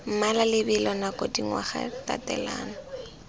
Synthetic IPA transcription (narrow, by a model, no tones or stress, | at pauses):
m̩malalɪbɪlɔnakʼodiŋwa̰χa̰tatɛ̰la̰ːnɔ